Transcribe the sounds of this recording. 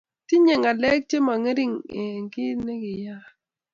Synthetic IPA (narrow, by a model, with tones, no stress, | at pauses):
tɪ˦ɲe˨ŋa˨lɛ˦k̚t͡ʃe˦ma˨ŋe˦ɾi˦ŋe˨ŋkɪ˦ne˦kɪ˨ja˦